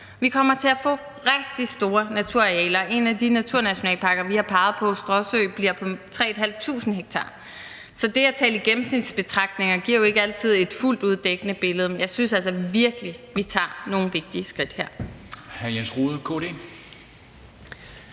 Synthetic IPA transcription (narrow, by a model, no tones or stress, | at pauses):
ʋikʰɒ̽m̰ɐt͡sʰe̝æfɔ̰ː | ʁɛɡ̥̚d̥isd̥o̝ːɐnæt͡sʰuɐ̰ʁɛ̰ːlɐe̝næd̥inæt͡sʰuɐnæɕo̝nɛ̰ːlpʰɑ̈ɡ̥ɐʋihɑ̈pʰɑ̈ːð̞̩ˠpʰɒ̽sd̥ʁɒ̽søːb̥liɐ̰pʰɒ̽t͡sʰʁɛ̰ːed̥ɦæl̰ʋt͡sʰṵːsn̩ɦeɡ̥̚t͡sʰɑ̈ː | sɒ̽d̥e̝æt͡sʰɛ̰ːliɡ̥em̩snid̥sb̥e̝t͡sʰʁɑ̈ɡ̥̚d̥ne̝ŋɐɡ̥iɐjo̝e̝ɡ̥əæl̰t͡sʰið̞̩̰ˠe̝d̥ful̰d̥uðˠd̥eɡ̥ənəb̥e̝ləð̞̩ˠmenjɑ̈ɪsynsælsɒʋiɐɡ̥əliʋit͡sʰɑ̰̈ːno̝ːn̩ʋe̝ɡ̥̚d̥iəsɡ̥ʁid̥heɐ̰hæjesʁuːð̩ˠkʰo̰ːd̥e̝̰ː